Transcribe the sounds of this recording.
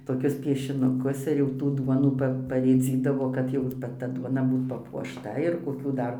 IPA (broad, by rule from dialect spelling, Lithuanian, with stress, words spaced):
toːˈkʲʊs pʲiɛʃʲɪnʊˈkʊs ɪr jɛʊ ˈtuː ˈduɔnuː ˈpɐ pɐrʲeːˈd͡zʲiːdɐʋoː kɐt ˈjɛʊ ˈʋɐ ˈtɐ ˈduɔnɐ ˈbuːt pɐpuɔʃˈtɐ ɪr koːˈkʲuː ˈdɐr